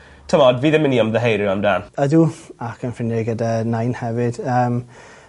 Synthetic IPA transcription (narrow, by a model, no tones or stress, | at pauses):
tʰəmɔdviːðɪmɪniɔmðəɦejɾjɪamdaːnəduakʰənfrɪnjɪɡədanajnhɛvɪd̥əːm